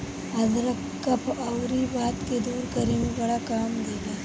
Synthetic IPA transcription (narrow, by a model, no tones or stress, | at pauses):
ɐzɾɐkː | ɐpʰɐwɾibaːt̪ked̪uːɾkɐɾimẽbɐɽakaːmd̪eːɡaː